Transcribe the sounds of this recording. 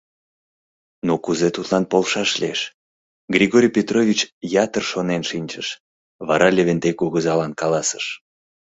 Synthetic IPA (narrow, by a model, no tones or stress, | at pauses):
nukuzet̪ut̪lɑnpolʃɑʃlieʃ | ɡrʲiɣoɾʲijpʲet̪rovʲit͡ɕjɑt̪ərʃonenʃinʲt͡ʃəʃ | βɑɾɑlʲeβent̪ejkuɣəzɑlɑnkɑlɑsə̥ʃ